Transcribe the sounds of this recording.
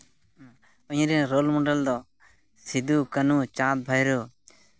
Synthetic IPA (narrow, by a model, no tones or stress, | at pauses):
ɔɲɾinɾoːlmoɖəld̪ɔ | sid̪ukənut͡ʃãːt̪̚bʱajɾo